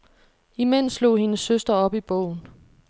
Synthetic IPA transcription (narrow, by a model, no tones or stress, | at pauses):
imen̰slo̝̰ːɦe̝nəsːøsd̥ɐɒ̽b̥ib̥ɔ̰ʊ̰n̩